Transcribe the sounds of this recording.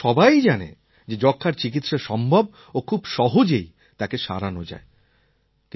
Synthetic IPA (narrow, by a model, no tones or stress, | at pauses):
ʃɔbajd͡ʑanḛ | d͡ʑed͡ʑɔkʰːaɾt͡ɕik̬it̪ʃaʃɔmbʱɔb̚ | okʰubʃɔɦod͡ʑej | t̪akeʃa̰ɾanod͡ʑa̰e | k